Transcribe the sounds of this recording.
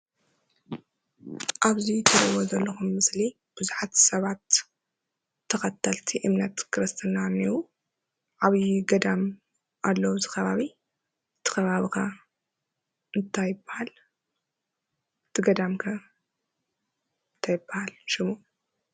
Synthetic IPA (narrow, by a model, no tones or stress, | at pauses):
ʔaβzit̪ʰɐd̪ɐwozɐlːɐxumːɨsli | b̥ɨzuħat̪sɐβat̪ | ɐxɐt̪ʰːɐlt̪ʰiʔɨmnɐt̪kʰɨɾɨst̪ʰɨnaniwu | ʕaβiɡɐd̪am | ʔalːɐwzɨxɐβaβi | ɨt̪ʰːɨ̥kɐβaβikʰɐ | ɨnt̪ʰajɨbːahal | ɨt̪ʰːɨɡɐd̪amkʰɐ | ɨnt̪ʰajɪbːahalʃɪmu